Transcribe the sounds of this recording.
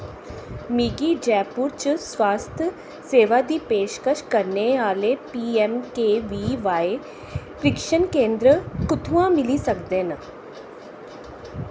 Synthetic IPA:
miːɡiːd͡ʒɛːpuɾt͡ʃswaːst̪ʰə | seːʋaːd̪iːpeːʃkəʃkəɾneaːleːpiːɛmkeːʋiːʋaːe | pɾɪkʃənkẽːnd̪ɾəkʊt̪ʰũːãːmɪlisəkd̪eːnə

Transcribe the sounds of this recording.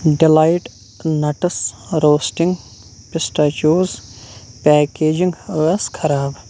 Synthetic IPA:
ɖilajʈ | nɐʈɐsɾoːsʈiŋɡ | pɪsʈaːt͡ʃoːzpɛːkeːd͡ʒiŋɡəɐskʰɐɾaːb

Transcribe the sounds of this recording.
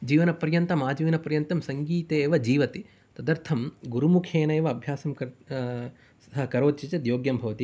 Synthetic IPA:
d͡ʒiːʋɐnɐpɐɾjɐnt̪ɐmaːd͡ʒiʋinɐpɐɾjɐnt̪ɐmsɐŋɡiːt̪eːʋɐd͡ʒiːʋɐt̪i | t̪ɐd̪ɐɾt̪ʰɐmɡuɾumukʰjeːnɐeːʋɐɐbʱjaːsɐmk | sɐɦɐkɐɾoːt̪t͡ʃit͡ʃɐd̪joːɡjɐmbʱɐʋɐt̪i

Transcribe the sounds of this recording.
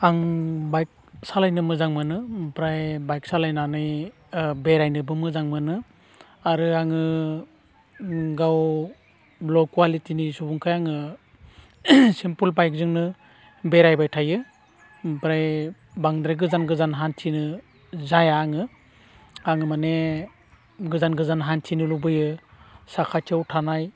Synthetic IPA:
aŋbajk̚salajnɯmɯzaŋmɯnɯpɾajbajk̚salajnanɯj | beɾajnɯbɯmɯzaŋmɯnɯ | aɾɯaŋɯ | ɡaw | blɔkwalitinisubuŋkʰajaŋɯ | sempulbajk̚zɯŋnɯ | beɾajbajtʰajɯ | bɾaj | baŋdɾaɡɯzanɡɯzanɦantʰinɯ | zajaŋɯ | aŋɯmane | ɡɯzanɡɯzanɦantʰinɯlubɯjɯsakʰatʰawtʰanaj

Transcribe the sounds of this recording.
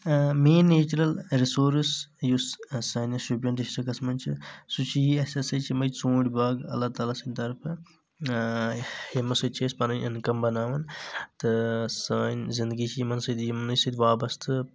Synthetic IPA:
meːnːeːt͡ʃɾɐlɾisoːɾsjussɐːnɐsubjɐnɖisʈɐkɐsmɐnt͡ʃʰisut͡ʃʰijiɐsɐsɐjt͡ʃʰimɐjt͡sõːɽʲbaːɡɐ̰lːaːt̪aːlaːsɐnʲt̪ɐɾpʰ | hemɐsut͡ʃʰeːspɐnɐnʲʔɐ̰nkɐmbɐnaːʋɐnt̪ɨsaːnzɪnd̪ɡit͡ʃʰimɐnsɐd̪imɐnɐjsɐd̪ʋaːbɐst̪ʰɨ

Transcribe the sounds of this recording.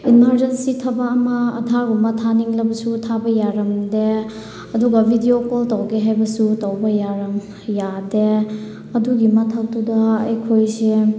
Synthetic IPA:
inmaɾd͡ʒensitʰabɐːmɐːdʱaɾbɐmɐtʰaniŋlɐbɐsutʰabɐjaɾɐmde | ɐduɡɐbʱidiokoltɐwɡeɦajbɐsutɐwbɐjaɾɐm | jade | ɐduɡimɐtʰɐk̚tudɐːjkʰojse

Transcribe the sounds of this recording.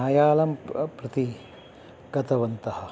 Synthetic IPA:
aːjaːlɐmpɾɐt̪i | ɡɐt̪ɐʋɐnt̪ɐhɐ̆

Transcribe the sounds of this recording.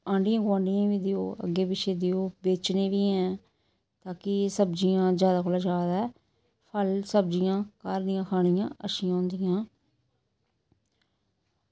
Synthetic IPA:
ãːɳɖijãːɡãːɳɖɪjãːʋiːd̪ɪjo̰ːə̰ɡːeːbɪʃeːd̪ɪoːbeːt͡ʃneːʋiːɛ̃ː | t̪aːkɪsəbd͡ʒɪjãːd͡ʒjaːd̪aːkʰoːlaːd͡ʒaːd̪aːɛː | pʰəlsəbd͡ʒɪjãːkaːɾd̪ɪjãːkʰaːɽɪjãːʔəʃɪjãːʊ̃nd̪ɪjãː

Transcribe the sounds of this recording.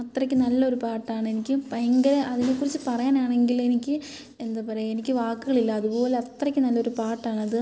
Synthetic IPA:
ɐt̪rɐkʲːɨnɐlːɐo̞ɾupaːʈːaːɳɨe̞nikʲːɨpeŋɡɐleʔɐðinekːurit͡ɕːɨpɐrɐjaːnaːɳe̞ŋɡile̞nikʲːɨ | e̞nd̪apɐɾeenikʲːɨʋaːkːuɣɐɭilːɐːðupo̞ːle̞ɐt̪ːrɐkʲːɨnɐlːɐo̞ɾupaːʈːaːɳɨɐðɨ

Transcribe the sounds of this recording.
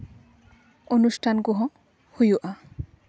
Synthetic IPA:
onusʈʰanɡuɦɔ̃ | hujuʔa

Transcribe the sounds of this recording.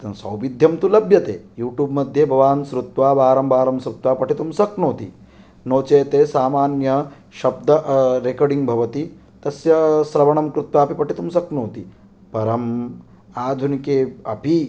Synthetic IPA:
sɐwʋid̪ʱjɐmt̪ulɐbjɐt̪eːjuːʈjuːbmɐd̪ʱjɐbʱɐʋaːnsɾut̪ʋaːbaːɾɐmbʱaːɾɐmsɾut̪ʋaːpɐʈit̪umsɐknoːt̪i | noːt͡ʃeːt̪eːsaːmaːnjɐ | ʃɐb̚d̪ɐʔɾekɐɖiŋɡbʱɐʋɐt̪i | t̪ɐsjɐsɾɐʋɐɳɐmkɾut̪ʋaːpipɐʈit̪umsɐknoːt̪i | pɐɾɐm | aːd̪ʱunikeːɐpi

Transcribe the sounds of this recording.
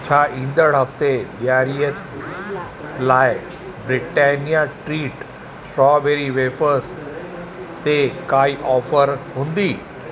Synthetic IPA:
t͡ɕʰaːʔĩːn̆d̪əɽɦɐft̪eɓijaːɾiə | laːɪ | bɾɪʈeːnijaʈɾiːʈ | sʈɾɔːbeːɾiʋeːfəɾs | t̪ekaːiʔɔːfəɾɦũːnd̪iː

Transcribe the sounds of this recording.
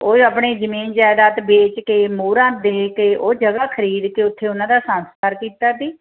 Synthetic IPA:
oːəpɳeːzəmiːnd͡ʒaːd̪aːt̪beːt͡ʃkeːmuːɾãːd̪eːkeːʔoːd͡ʒəɡaːkʰəɾiːd̪keːʊt̪ʰːeːʊnãːd̪aːsãːnst̪aːɾkiːt̪aːd̪iː

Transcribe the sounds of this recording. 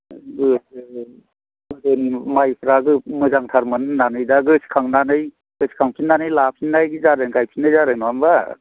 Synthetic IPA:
ɡɯ | mɯzɯnimajpʰɾaɡɯmɯzaŋtʰaɾmɯnɯnːanɯjdaɡɯsʰi̥kʰaŋnanɯj | ɡɯsi̥kʰaŋpʰinːanɯjlapʰinːajɡzaɾɯnɡajpʰinɯjzaɾɯnanba

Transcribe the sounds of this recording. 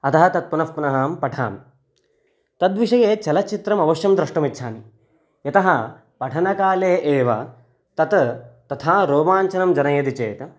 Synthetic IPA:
ɐt̪ɐɦɐt̪ɐt̪̚punɐfpunɐɦɐːmpɐʈʰa̰ːm | t̪ɐd̪ʋiʂɐjeːt͡ʃɐlɐt͡ʃit̪ɾɐmɐʋɐʃjɐmd̪ɾɐʂʈɐmitːʃʰaːni | jɐt̪ɐɦɐ | pɐʈʰɐnɐkaːleːʔeːʋɐ̰ | t̪ɐt̪t̪ɐt̪ʰaːɾoːbaːɲt͡ʃɐnɐmd͡ʒɐnɐjɐd̪it͡ʃeːt̪ɐ

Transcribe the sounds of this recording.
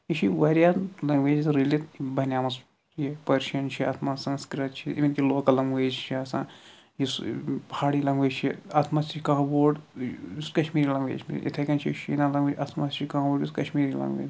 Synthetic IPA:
it͡ʃʰiʋɐɾjaːlɐŋɡʋeːd͡ʒit̪ɾilit̪bɐnʲjaːmɐs | jipɐɾʃɐnt͡ʃʰia̰ːt̪ʰmasɐ̃nskɾɐt̪̚t͡ʃʰiiʋinkiloːkɐlɐŋɡʋezt͡ʃʰiasãː | jispɐaːɽilɐŋɡʋet͡ʃʰiat̪ʰmaːst͡ʃit͡ʃʰikɐɦboːɖuskɐʃmiːɾilɐŋɡʋḛːt͡ʃʰmḭɾ̰ʲʔḭt̪ʰɐkɐnt͡ʃʰiʃḭnaːlɐŋɡʋeːt͡ʃat̪ʰmast͡ʃʰikãːboːɽjiskɐʃmiːɾilɐ̰ŋɡʋḛːd͡ʒ

